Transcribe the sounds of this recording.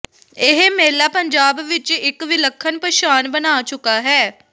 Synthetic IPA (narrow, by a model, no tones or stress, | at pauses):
ɪɦmeːlːaːpəɲd͡ʒaːbʋɪt͡ʃɪkʋɪləkʰːənpəʃaːnbənaːt͡ʃʊkaːɦɛː